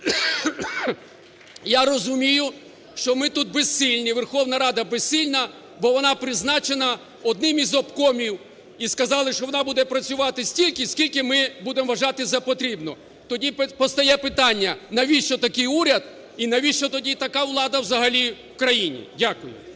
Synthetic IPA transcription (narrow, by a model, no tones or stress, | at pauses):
jaɾɔzʊmʲijʊ | ʃt͡ʃɔmɪt̪ud̪̚bessilʲnʲiʋerxɔwnɐɾɑd̪ɐbessilʲnɐ | bɔʋɔnɑpɾɪznɑt͡ʃenɐ | ɔd̪nɪmizɔpkɔmʲiw | iskɐzɑlˠɪʃt͡ʃɔʋɔnɑbud̪ɛpɾɐt͡sʲʊʋɑt̪ɪsʲtʲilʲkɪsʲkʲilʲkɪmɪbud̪emʋɐʒɑt̪ɪzɐpɔt̪ɾʲibnɔ̰ | t̪ɔdʲippɔst̪ɐjɛpɪt̪ɑnʲːɐnɐʋʲiʃt͡ʃɔt̪ɐkɪjuɾʲɐd̪̚ | inɐʋʲiʃt͡ʃɔt̪ɔdʲit̪ɐkɑʋlˠɑd̪ɐwzɐɦɐlʲiwkɾɐjinʲḭdʲakʊjʊ̰